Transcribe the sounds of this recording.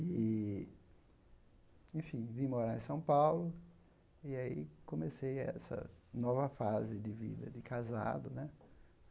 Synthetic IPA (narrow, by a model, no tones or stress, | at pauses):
ɪ | ẽfĩvĩmoɾaḛ̃sɐ̃w̃pawlʊ | ɪaḭkõmesejɛ̰sɐ̰nɔvɐfazɪd̪ɪvḭd̪ɐd̪ɪkaza̰d̪ʊnɛ